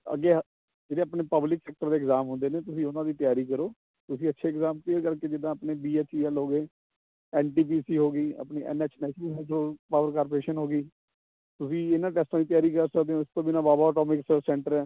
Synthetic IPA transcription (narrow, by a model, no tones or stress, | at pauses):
ə̰ɡeː | d͡ʒeːdeːapneːpəblɪksɛːk̚ʈəɾd̪eːkzaːmɦʊ̃nd̪eːneːt̪ʊsĩːʊnãːd̪iːt̪ɪjaːɾiːkəɾoː | t̪ʊsĩːətːʃʰeːɪkzaːmt̪eːkəɾkeːd͡ʒɪd̪ãːəpneːbiːɛːt͡ʃiːɛlɦoːɡeː | ɛːnʈiːp̬iːsiːɦoːɡiːə̰pniːʔɛ̰ːnɛːt͡ʃʰnɛːsiːɛ̃ːd͡ʒoːpaːʋəɾkaːɾpəɾeːʃənɦoːɡiː | t̪ʊsĩːɪnãːʈɛːsʈãd̪it̪jaːɾiːkəɾsəkd̪eːõːɪst̪õːbiːnãːbaːbaːɔːʈɔːmɪkssɛ̃ːɳʈəɾɛː